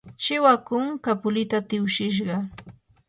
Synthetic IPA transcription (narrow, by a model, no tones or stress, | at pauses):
t͡ʃɪwakʊŋkapʊlɪt̪at̪ɪwʃɪʃ̬ɢɑ